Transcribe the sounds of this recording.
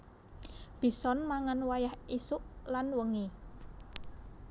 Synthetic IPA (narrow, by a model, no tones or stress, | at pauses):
b̥i̤sɔnmaŋanwajahisʊʔlanwəŋi